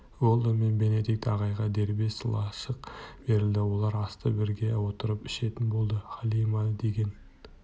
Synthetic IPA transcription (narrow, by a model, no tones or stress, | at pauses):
wolˠəmenbe̞ne̞d̪ik̚t̪ɑʁɑjʁɑd̪e̞ɾbe̞sɪlˠɑʃəqb̥e̞ɾɪld̪ɪwo̞lˠɑɾɑst̪əbɪɾɡʲe̞wo̞t̪əɾəpɪ̥ʃe̞t̪ɪnbo̞lˠd̪əχɑlˠijmɑd̪e̞ɡʲe̞n